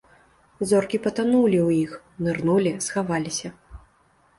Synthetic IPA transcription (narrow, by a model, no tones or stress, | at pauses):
zɔrkʲipɐt̪anulʲiwjix | nɨrnulʲisxavalʲisʲɐ